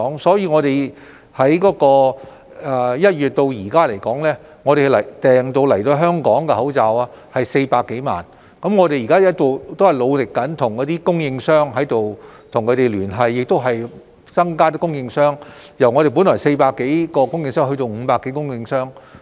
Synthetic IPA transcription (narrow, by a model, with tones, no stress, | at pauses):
ɔː˨˥ŋsɔː˨˥jiː˨˧ŋɔː˨˧ɾe˨j | hɐ˨˥jkɔː˨˥kɔː˧ | ɛː˨˩jɐ˥t̚ɥyː˨t̚t̪o˧wjiː˨˩kaː˥le˨˩jkɔː˨˥ŋlɛː˥ | ŋɔː˨˧ɾe˨˩˨lɐ˨˩t̪ɛː˨ŋt̪o˧wlɐ˨˩jt̪o˧ɦœː˥ŋkɔː˨˥ŋkɛ˧hɐ˨˥wt͡saː˨˧waː˧ | hɐ˨jse˧jpaː˧kːe˨˥jma̰ː˨˩n | kɐ˨˥mŋɔː˨˧t̪e˨jiː˨˩kaː˥˦˥t̪o˨wt̪hɐ˨˩jlo˨˧wlɪ˨kːɐ˨˥nt̪ʰʊ˨˩ŋkɔː˨˥t̪iː˥kʊ˥ŋjɪ˧ŋsœː˥ŋɦɐ˨˥jt̪o˨wt̪ʰʊ˨˩ŋkʰɵ˨˧˥t̪e˨jlyː˨˩nɦɐ˨jːɪ˨k̚t̪o˥wɦɐ˨j | t͡sɐ˥ŋkaː˥t̪̬iː˥kʊ˥ŋjɪ˧ŋsœː˥ŋ | jɐ˨˩wŋɔ˨˧ɾe˨jp̬u˨˥nlɔː˨˩jse˧paː˧kːe˨˥jkɔː˧kʊ˥ŋjɪ˧ŋsœː˥ŋɦɵ˧jt̪o˧wm̩ː˨˧paː˧kːe˨˥jkʊ˥ŋjɪ˧ŋsœː˥ŋ